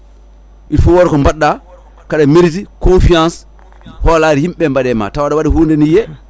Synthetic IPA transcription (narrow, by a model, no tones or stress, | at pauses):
ʔitfuwoɾkombaɗːa | kaɗamiɾsikõnfiãns | holaɾhimɓembaɗɛma̰tawaɗawaɗihuɾndenije